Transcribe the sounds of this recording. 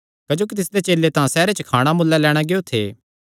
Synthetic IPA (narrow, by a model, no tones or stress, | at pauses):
kɐd͡ʒoːkit̪ɪsd̪et͡ʃeːlet̪ãsɛːɾet͡ʃəkʰaːɽ̃amʊlːalɛːɽ̃aɡeot̪ʰeː